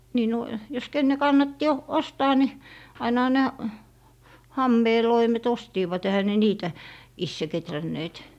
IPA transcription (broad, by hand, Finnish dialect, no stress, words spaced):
niː no jos kenːe kɑnːɑtːi o ostɑː ni ɑinɑhɑ næ hɑmːeː loimet ostiːʋɑt ehæ ne niːtæ isːe ketrænːeːt